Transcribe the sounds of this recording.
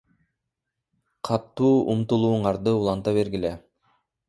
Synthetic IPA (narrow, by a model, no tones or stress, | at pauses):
qʰɑt̪ːuːʔumt̪ulˠuːɴɑɾd̪ɯulˠɑnt̪ɑβe̞ɾɡile